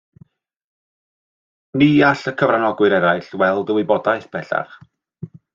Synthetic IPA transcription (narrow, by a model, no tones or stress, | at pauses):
niːaɬəkʰəvranɔɡwɨɾɛɾajɬwɛlˠdəwɪbɔdaɨθb̥ɛɬa̰χ